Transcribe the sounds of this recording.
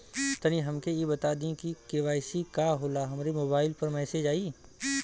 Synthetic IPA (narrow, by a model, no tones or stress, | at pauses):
t̪əniɦɐmkejebɐt̪ad̪ĩkikeʋaːɪsikaːɦoːlaɦɐmːɾemoːbaːɪlpɐɾmɛːseːd͡ʒaːiː